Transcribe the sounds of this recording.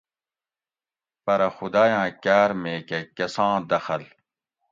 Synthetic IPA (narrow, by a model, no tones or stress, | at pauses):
pɐɾɐxud̪aːjãːkaːɾmeːkɐkɐsãːd̪ɐxɐl